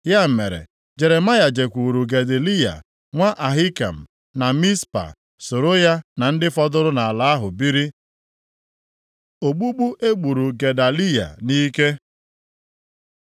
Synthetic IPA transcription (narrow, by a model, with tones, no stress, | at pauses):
ja˦m̩˨me˨ɾḛ˨ | d͡ʒe˨ɾe˨ma˦ja˨d͡ʒe˨kʷu˨ɾu˨ɡe˨de˨li˦ja̰˨ | ŋʷa˦ʔa˨ɦi˦ka̰˨m̩˨ | na˨mi˦spa̰˨ | so˨ɾo˦ja˦na˨n̩˦dɪ˦fɔ˦dʊ˦ɾʊ˦na˨a˨la˨a˦ɦʊ˨bi˦ɾi˦ | o˨ɡ͡bu˦ɡ͡bu˦ʔe˦ɡ͡bu˨ɾu˨ɡe˨da˨li˦ja̰˨ni˦ke˦